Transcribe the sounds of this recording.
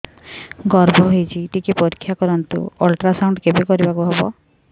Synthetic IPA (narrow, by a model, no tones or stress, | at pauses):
ɡɔɾbʱɔɦojt͡ʃʰiʈikipɔɾikʰːjakɔɾɔnt̪ṵolʈɾasawɳɖkebekɔɾibakuɦebɔ